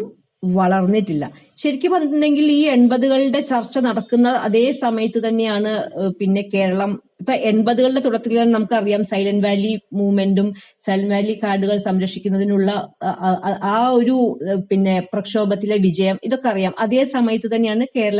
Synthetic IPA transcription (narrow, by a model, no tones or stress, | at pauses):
ʋɐɭɐrnːiʈːilːɐ̰ | ɕɐɾikʲːɨpɐrniʈ̪ːund̪e̞ŋɡiliːe̞ɳbɐðuɣɐɭiɖe̞t͡ɕɐrt͡ɕːɐnɐɽɐkːunːɐɐ̰ðe̞ːsɐmɐjɐt̪ːɨt̪ɐnːe̞jaːɳɨpinːe̞ke̞ːɾɐɭɐm | ipːoːʔe̞ɳbɐðuɣɐɭɽe̞t̪uɽɐt̪ːilianɨnɐmukːɨɐrijaːmsɐjlɐnʋaːlimuːme̞ndumsɐjlɐnʋaːlikaːɖuɣɐɭsɐmɾɐkʂikʲːunːɐðinuɭːɐ | ʔaːo̞ɾupinːe̞prɐkʂo̞ːbɐt̪ːileʋid͡ʑɐjɐmiðo̞kːe̞ɐrijaːmʔɐðe̞ːsɐmɐjɐt̪ːɨt̪ɐnːe̞jaːɳɨke̞ːɾɐɭɐ